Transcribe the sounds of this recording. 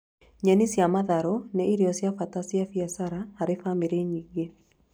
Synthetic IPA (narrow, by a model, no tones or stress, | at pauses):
ɲanisjamaðaɾɔnɛiɾijɔsjafatasjafiasaɾahaɾefameɾeɲiɡe